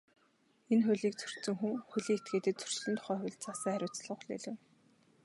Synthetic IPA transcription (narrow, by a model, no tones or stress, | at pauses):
enxʊːɮiːk̚t͡sʰɵ̥r̥tt͡sɘ̆ŋxuŋxuɮiːŋet̪̚ɡeːt̪ɘ̆t̪̚t͡sʰɵ̥r̥t͡ɕɮɘ̆nt̪ʰʊ̥χœːχʊɮt͡sasæːχæɾʲʊːt͡sɮə̆χɮḛɮɘ̆w